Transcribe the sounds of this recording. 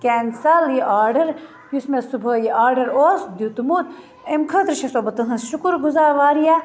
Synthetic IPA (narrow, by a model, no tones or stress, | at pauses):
kʲeːnsaliʔaːɾɖɐɾ | husmesubʱəːjiaːɾɖɐɾoːsd̪jut̪umut̪ | emkʰɐt̪ɾʃɐsoːbɐt̪ɐɦɐ̃nsʃukuɾɡuzaːɾʋaːɾijaː